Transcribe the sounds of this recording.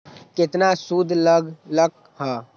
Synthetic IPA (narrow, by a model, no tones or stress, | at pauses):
kɪt̪nasud̪ʱləɡlək̚ | ɦɛː